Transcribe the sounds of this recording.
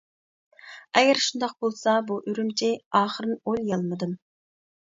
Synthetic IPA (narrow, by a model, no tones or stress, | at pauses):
ɛɡʲɛɾʃund̪ɑq̚bolˠsɑbuʔyɾymt͡ʃʰiɑːχəɾɨnolˠjɑlˠmɨd̪ɨn